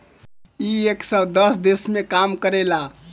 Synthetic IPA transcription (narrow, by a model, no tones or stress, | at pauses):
ieksəd̪əsd̪esmekamkəɾela